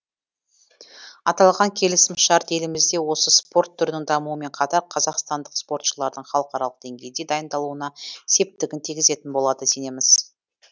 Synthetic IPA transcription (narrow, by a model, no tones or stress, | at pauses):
ɑt̪ɑlˠʁɑŋkʲʰe̞lɪsɪmʃɑɾt̪e̞lɪmɪzd̪e̞wo̞səspo̞ɾt̪ʰːʊɾd̪ɪŋd̪ɑmuwəme̞ɴqʰɑt̪ɑɾqʰɑzɑqst̪ɑnd̪əqspo̞ɾt̪ʃəlˠɑɾd̪əɴχɑlˠəqɑɾɑlˠəq̚d̪̥eŋɡʲe̞jɪd̪ed̪ɑjənd̪ɑlˠuənɑse̞p̚t̪ɪɡʲɪnt̪ʰiɡʲɪze̞t̪ɪnbo̞lˠɑd̪əse̞ne̞mɪz̥